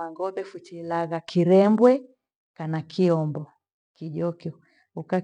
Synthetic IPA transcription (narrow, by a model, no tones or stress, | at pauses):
aŋɡɔɓɛfut͡ʃilaɣakʰiɾɛmbwɛ | kanakʰiɔmbɔ | kiʄɔkɔ | uka